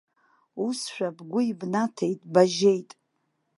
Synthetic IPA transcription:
usʃᶣabɡʷʊibnatʰe̞jtʼbaʒe̞jtʼ

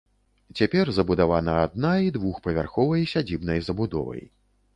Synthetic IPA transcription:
t͡sʲapʲɛrzɐbud̪avanɐad̪̚naid̪vuxpɐvʲarxɔvɐjsʲad͡zʲibnɐjzɐbud̪ɔ̰vɐ̰j

